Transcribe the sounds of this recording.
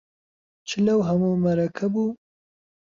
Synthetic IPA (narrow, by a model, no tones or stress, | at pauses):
t͡ʃɪlawɦamomaɾakʰabu